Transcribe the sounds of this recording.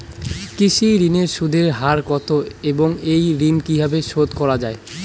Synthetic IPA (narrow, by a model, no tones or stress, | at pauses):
kiʃiɾineɾʃud̪ʱeɾɦaɾkɔt̪ʰoeboŋejɾinkibʱabeʃod̪kɔɾad͡ʑae